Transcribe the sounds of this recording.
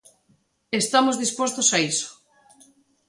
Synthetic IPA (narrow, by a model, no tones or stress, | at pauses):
est̪amozðispost̪osaiso̥